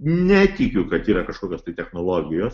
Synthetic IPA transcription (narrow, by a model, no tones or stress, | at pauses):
nʲɛt̪ʲɪkʲʊkɐt̪iːɾɐkɐʃkoːkʲoːst̪ɐɪt̪ʲɛxnoːlˠoːɡʲɪjoːs